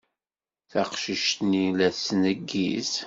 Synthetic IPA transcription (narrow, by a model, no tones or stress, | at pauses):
θæqʃiʃt̪nilæsnəɡːis